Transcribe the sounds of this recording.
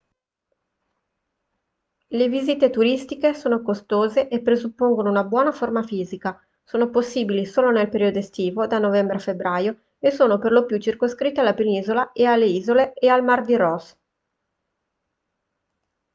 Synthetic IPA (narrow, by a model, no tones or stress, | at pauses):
leviziːt̪et̪uɾist̪ikesoːnokost̪oːzeʔepːɾezupːoŋɡonounabwɔːnaformafiːzika | soːnoposːiːbilisoːlonelpeɾiːod̪oest̪iːvod̪anːovɛmbɾeafebːɾaːjo | esːoːnoperlopjut͡ʃirkoskɾit̪ːealːapeniːzolaealːeiːzoleealmard̪iɾɔs